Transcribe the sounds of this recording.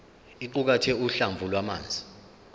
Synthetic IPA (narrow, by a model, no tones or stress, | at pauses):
iǃuk̬atʰɛuɬaɱbvʱulwama̰ːnd͡zʱi